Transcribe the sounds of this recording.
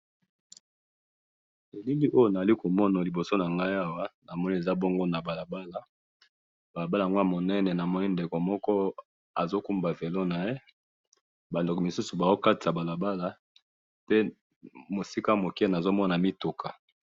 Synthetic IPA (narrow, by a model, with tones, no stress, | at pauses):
e˨li˦ŋi˦ʔo˦jo˦na˨a˨li˦ko˨mɔ˦na˨li˨bo˨so˦na˨ŋɡa˦i˦a˦wa˦na˨mɔ˦ni˦e˨za˦bɔ˦ŋɡo˦na˨ba˨la˨ba˦la˨ | ba˨a˨ba˦la˨ŋɡo˦a˦mo˨nɛ˦nɛ˨na˨mɔ˦ni˦nde˨ko˨mɔ˦kɔ˦ | a̰˨zo˦ku˦mba˨ve˨lo˦na˨je˦ | ba˨ndo˨kɔ˨mi˨su˦su˨ba˨zo˦ka˦ta˨ba˨la˨ba˦la˨ | pe˦ | mo˨si˦ka˦mo˨kɛ˦na˨zo˦mɔ˦na˨mi˦tu˨kʰa˨